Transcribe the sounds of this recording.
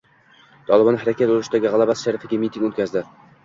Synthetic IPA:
t̪ʰɒlˠɪbɒnhaɾakʲʰat̪oɾɪʃd̪aɡʲɪʁalˠabasʃaɾɪfɪɡʲamʲit̪ʰiŋʲot̪ʲkʲazd̪ɪ

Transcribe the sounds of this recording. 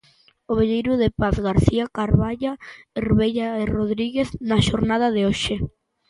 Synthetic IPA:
oβeʎejɾʊðepaθɣaɾθiakaɾβaʎaeɾβejʎaeroðɾiɣeθnaʃoɾnað̞aðeoʃe

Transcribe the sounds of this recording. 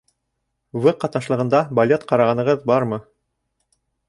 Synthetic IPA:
vɤqɑt̪nɑʃlˠɤ̆ʁɤ̆nd̪ɑbɐlʲet̪qɑɾɑʁɑnɤ̆ʁɤðbɑɾmɤ

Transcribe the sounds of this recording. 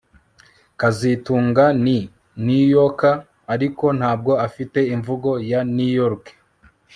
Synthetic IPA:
kazituːŋɡani | nujokaː | ɾiko̞n̥haːb̚ɡo̞afite̞iɱvuɡo̞janujoɾk

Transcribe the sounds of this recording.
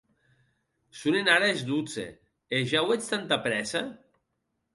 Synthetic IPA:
sunenaɾaezd̪ut͡sḛ | eʒawet͡ʃt̪ant̪apɾɛsa

